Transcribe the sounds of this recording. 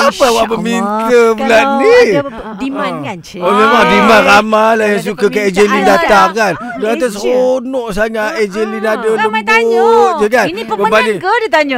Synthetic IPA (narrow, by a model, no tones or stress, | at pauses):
apawaʔbəmiŋkəblaʔni | olemabimanramalajaŋs̬ukakaed͡ʒelindat̪aŋkan | dəat̪asəronɔʔsaŋaʔed͡ʒelinadaləbot̚d͡ʒəkanbəbadidit̪aɲ